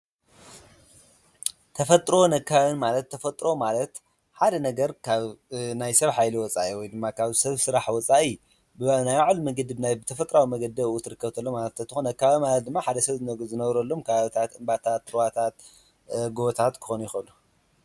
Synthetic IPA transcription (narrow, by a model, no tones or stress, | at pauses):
t̪ʰɐfɐt̪ʼɾo̞nɐkʰːaβɨnmalɐt̪ʰːɐfɐt̪ʼɾo̞malɐt̪ | ħad̪ɐnɐɡɐɾkʰaβnajsɐβħajliwɔt͡sʼaʔiwɔjd̪ɨmːakʰaβsɐβsɨɾaħwɔt͡sʼaʔi | bɨnajaʕalmɐɡɐd̪ɨbɨnajbɨt̪ʰɐfɐt̪ʼɾawimɐɡɐd̪ɐut̪ʰɨɾɨkːɐβt̪ʰɐlːomalɐt̪ʰɐt̪ʰːɨxonɐkːaβamad̪ɨmːaħad̪ɐsɐβzɨnɐzɨnɐβɾɐlːo̞mkʰaβaβt̪ʰat̪ɨmbat̪ʰat̪ːɾwat̪ʰat̪ | ɡoβt̪ʰat̪kʰɨ̥xonjɪxɐlu